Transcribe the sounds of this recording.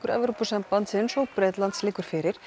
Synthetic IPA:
kʏɾɛ̰vɾupusɛmpant̪sɪnsowpɾɛt̪lant̪slɪkuɾ̥fɪːɾɪɾ̥

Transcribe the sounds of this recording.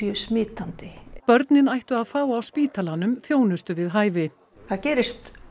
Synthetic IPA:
jœsmɪːt̪ant̪ɪpœɾt̪nɪnajht̪ʏaðfaːwawspiːt̪alanʏmθjoːwnʏst̪ʏvɪðɦaːjvɪ | θaðcɛːɾɪst̪

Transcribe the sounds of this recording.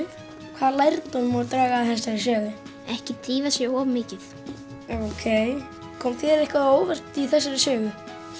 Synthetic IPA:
kʰv̥aːðlajɾt̪ɔnmɔt̪ɾaːɣaːðθɛs̬asɛːðɪ | ɛhcɪt̪ɾiːvasjɛɣɔvmɪːcɪθ | okʰeːj | kʰɔːmθɛðɾɛhkvaoːwvɛr̥t̪iθɛsːaɾɪsœːɣʏ

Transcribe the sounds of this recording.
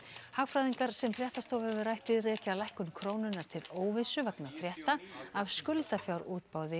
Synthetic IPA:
hakfɾajðiŋkaɾ̥sɛmfɾjɛht̪ast̪owvhɛvʏɾajht̪ɪðrɛːcalajhkʏmkʰɾoːwnʏnːaɾ̥t̪ʰɪloːwvɪsʏvaknafɾjɛht̪aavskʏlt̪afjawɾuːt̪paːwðɪ

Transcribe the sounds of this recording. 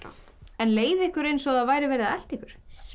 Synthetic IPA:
ɛnleːjðɪɪhkʏɾejnsɔɣaðvaːjɾɪvɛːɾɪðaɛl̥t̪ɪhkʏɾ̥

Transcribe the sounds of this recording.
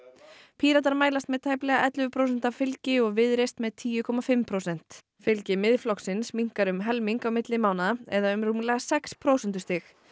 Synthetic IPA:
pʰiːɾat̪̬aɾmaːjlast̪mɛðt̪ʰaːjplɛɣaʔɛt̪lʏvʏpʰɾowsɛn̥t̪afɪlcɪɔɣvɪðɾejst̪mɛðt̪ʰiːjʏkʰɔmafɪmpʰɾowsɛn̥t̪ | fɪlcɪmɪðflɔksɪnsmiŋ̥kaɾʏmɦɛlmiŋkawmɪt̪lɪmaːwnaɛðaʏmrumlɛɣasɛkspʰɾowsɛnt̪ʏst̪ɪx

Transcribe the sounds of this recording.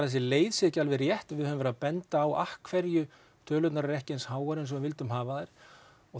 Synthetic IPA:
ɾθɛs̬ɪleːjðsɪcalvɪrjɛht̪vɪðhœvʏmvɛɾʏðapɛnt̪aːwa̰hkʰvɛɾjʏ | t̪ʰœːlʏt̪naɾaɾɛhcɛnshaːwaɾɪns̬ɔvʏnvɪlt̪ʏmɦaːvaajɾ̥ | ɔɣ

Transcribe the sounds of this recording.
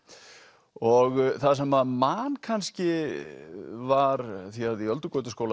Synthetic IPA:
ɔɣθaðs̬ɛmamankʰanscɪ | vaɾθiaðiœlt̪ʏkoːwt̪ʏskoːwla

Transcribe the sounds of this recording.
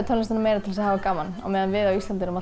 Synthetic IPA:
t̪ʰœnɪsanameːjɾat̪ʰɪls̬aðhaːvakaːmana̰wmɛːðanvɪðawist̪ant̪ɪnɾʏma

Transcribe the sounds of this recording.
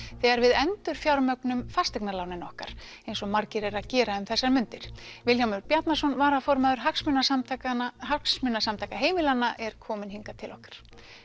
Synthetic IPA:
θɛɣaɾvɪðɛnt̪ʏɾ̥fjawɾmœknʏmfast̪ɛknalaːwnɪnɔhkaɾ̥ | ejnsɔmaɾcɪɾɛɾaðcɛːɾaʏmθɛsːaɾmʏnt̪ɪɾ̥vɪlçawmʏɾpjat̪nasɔnvaːɾafɔɾmaːðʏɾ̥ɦaksmʏnaat̪haksmʏnːasamt̪ʰajkaɦeːjmɪlanːaʔɛɾ̥kʰɔːmɪnhiŋkat̪ʰɪlɔhkḁɾ̥

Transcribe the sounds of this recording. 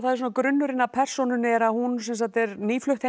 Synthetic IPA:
θaðɪsɔːnakɾʏnːʏɾɪnːapʰɛr̥sɔnʏnɪɛɾaðhunsɛms̬at̪ɛɾniːflʏht̪he

